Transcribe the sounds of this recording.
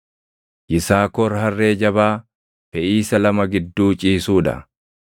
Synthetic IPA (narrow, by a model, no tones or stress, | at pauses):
ʔɪsaːkɔɾɦɐrːe̞ːd͡ʒɐbaː | fɛʔiːsɐlɐmɐɡɪd̪ːuːt͡ʃʼiːsuːᶑɐ̰